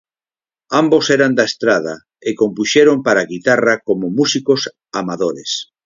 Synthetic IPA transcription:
ambosɛɾand̪aest̪ɾað̞a | ekompuʃeɾompaɾaɣit̪arakomomusikos | amaðoɾes

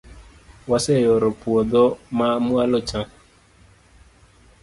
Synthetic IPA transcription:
wasɛjɔɾɔpuɔdɔmamualɔt͡ʃã

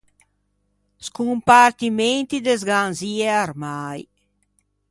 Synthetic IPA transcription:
skumpaɾt̪iment̪id̪ezɡanzieaɾmaj

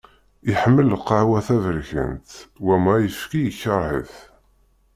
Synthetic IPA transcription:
iħəmːəlqːəʕwæθævəɾçə̰nt̪wæmæjəfkijəçːəɾˤhə̰θ

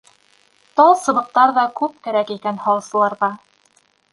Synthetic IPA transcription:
t̪ɑlˠsɤ̆βɤ̆q̚t̪ɑɾðɑkʉp̚kæɾækikænhɑwˠɤsɤ̆lˠɑɾðɑ

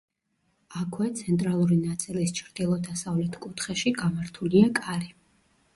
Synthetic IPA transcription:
akʰwɛt̪sʰɛnt̪ʼɾalˠuɾinat̪sʼilist͡ʃʰɾd̪̥ilˠɔd̪asavlɛt̪ʰkʼut̪ʰχɛʃiɡamaɾt̪ʰuliakʼaɾi

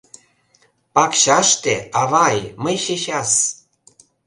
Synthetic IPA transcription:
pɑkɕɑʃt̪eɑβɑjməjʃeɕɑs

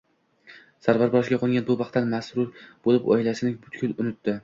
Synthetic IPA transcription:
saɾvaɾbɒʃɡʲaqʰɒɡʲanbʊbɑχt̪ːanmasɾʊɾbolˠɪpɒ̰jlasɪnɪbʊt̪kʲʊlˠʊnʊt̪ːɪ

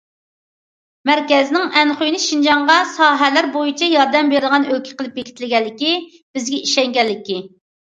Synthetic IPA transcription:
mæɾkʲɛznɪŋɛnχojnɪʃind͡ʒɑŋʁɑsɑːɦɛlæɾbojit͡ʃʰɛjɑɾd̪ɛmbeɾɪd̪ʁɑnølkʲʰɛ̥qəlˠɪp̚jekʲi̥t̪lɪɡʲɛlːɪkʲi | b̥ɪzɡʲɛiʃɛŋɡʲɛlːɪkʲi

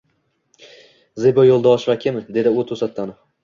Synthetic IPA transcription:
zebɒjolˠd̪aɒʃvakʲʰɪmɪd̪e̞d̪ɪʊt̪ʰosat̪ʰːanof

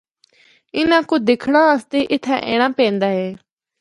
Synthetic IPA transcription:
ɪnãːkʊd̪ɪkʰɽ̃ãːəst̪eːʔɪt̪ʰːɛ̰̃ːʔḛːɽ̃ãːpẽːnd̪aːɦeː

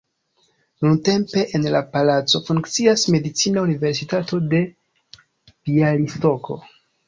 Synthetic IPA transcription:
nunte̞mpe̞ʔenlapalat͡so̞fuŋkt͡siasme̞dit͡sinaunive̞ɾs̬itato̞de̞ | v̥ialisto̞kʰo̞̰

